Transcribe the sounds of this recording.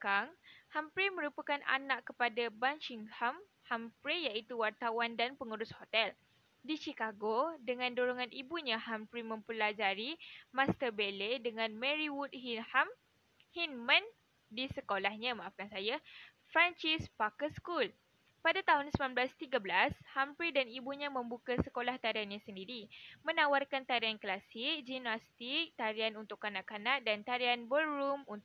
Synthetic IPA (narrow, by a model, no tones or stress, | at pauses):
kaŋhampɾemə̃ɾupakanʔa̰naʔkəpadabanʃiŋham | hampɾejait̪uwart̪awandanpəŋuɾʊshot̪ɛl | dit͡ʃikaɡodəŋãndoɾoŋãnʔibuɲãhampɾimə̃mpəlad͡ʒaɾimãst̪ərbeledəŋãnmɛ̃ɾiwut̚hinham | hinmãn | disəkolahɲãmãʔafkansaja | fɾant͡ʃispakəskul | padat̪aɦʊnsəmanblast̪iɡablashampɾidanibuɲãmə̃mbukasəkolaht̪aɾianɲãsəndiɾimə̃nawarkant̪aɾianklasik̚d͡ʒinast̪ik̚t̪aɾianunt̪ʊkːanãʔkanãʔdant̪aɾianbəːumun